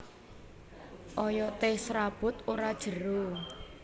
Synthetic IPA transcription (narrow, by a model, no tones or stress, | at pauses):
ʔɔjɔt̪ɪhsɾab̥ʊ̤t̪oɾad̥ʒ̥ə̤ɾo